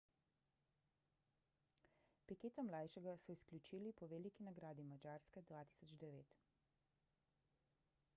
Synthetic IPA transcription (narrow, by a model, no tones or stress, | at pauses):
pikeːt̪amlaːjʃɛɡasɔisklʲut͡ʃiːlipɔʋelikinaɡɾaːd̪imad͡ʒaːɾskɛd̪ʋaːt̪i̥ːsɔd͡ʒd̪ɛʋeːt̪